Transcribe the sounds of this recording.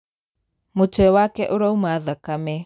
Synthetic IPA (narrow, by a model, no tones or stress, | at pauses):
mot͡ʃoɛwakɛʔoɾaumaðakamɛ